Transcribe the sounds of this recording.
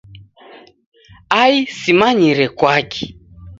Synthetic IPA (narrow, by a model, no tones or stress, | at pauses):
aisimaɲiɾɛkwakɛ̥